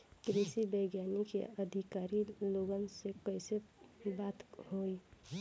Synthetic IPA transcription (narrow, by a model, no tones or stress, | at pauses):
kɾisibəɪɡjanikḛəd̪ʱikaɾiloɡənsekəɪsebat̪hoi